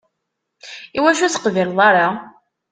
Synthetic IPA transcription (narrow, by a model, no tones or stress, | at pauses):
iwæʃ̬uθə̥qvilðˤɑɾˤa